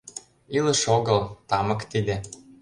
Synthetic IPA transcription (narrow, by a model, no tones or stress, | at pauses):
ilə̆ʃoɣɤlt̪ɑmɤ̆kt̪id̪ĕ